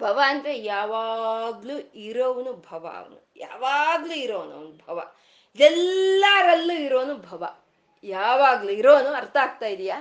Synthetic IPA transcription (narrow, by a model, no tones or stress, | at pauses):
bʱɐʋaɐnt̪ɾejaːʋaːɡluiɾoːʋɐnubʱɐʋa̰ʋɐ̰nṵja̰ːʋaːɡluiɾoːnɐ̰ːnubʱɐʋɐ̰ | id̪ɛlːɐɾɐlːuiɾo̞ːnubʱɐʋɐ̰ | jaːʋaːɡluiɾoːnuɐɾt̪ʰɐaːɡ̚t̪aːjid̪ijaː